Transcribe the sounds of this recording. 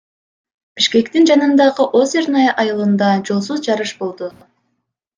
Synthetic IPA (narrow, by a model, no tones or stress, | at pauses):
b̥iʃke̞kt̪ind͡ʒɑnɯnd̪ɑʁɯʔo̞zeɾnɑjʔɑjɯlˠɯnd̪ɑd͡ʒo̞lˠsuzd͡ʒɑɾɯʃbo̞lˠd̪u